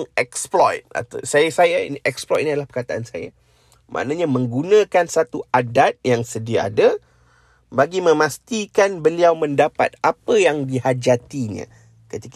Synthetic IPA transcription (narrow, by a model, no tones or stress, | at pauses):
ŋɛksplɔjt̪̚a̰t̪asajasajaniʔɛksplɔjt̪̚niadalahpərkat̪aʔansa̰ja̰ | mʔã̰ʔnaɲãmə̃ŋɡunãkansat̪uadat̪̚jaŋsədiaa̰da | baɡimə̃mãst̪ikanbəliawmə̃ndapa̰t̪̚apəjaŋdihad͡ʒat̪iɲã̰ | kət̪ik